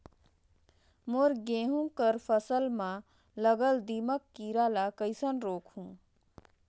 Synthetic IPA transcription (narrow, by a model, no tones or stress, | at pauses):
moɾɡẽːɦũkəɾpʰəsəlmã | ləɡəld̪iːməkːiːɾalakəɪsənɾoːkʰɦũː